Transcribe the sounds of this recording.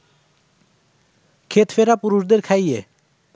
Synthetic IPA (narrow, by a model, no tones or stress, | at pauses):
kʰet̪feɾapuɾuʃd̪eɾkʰaje